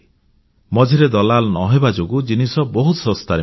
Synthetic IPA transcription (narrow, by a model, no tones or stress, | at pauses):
mɔd͡ʒʱiɾed̪ɔlalnɔɦebad͡ʒoɡud͡ʒinisɔbɔɦut̪sɔ̃st̪aɾe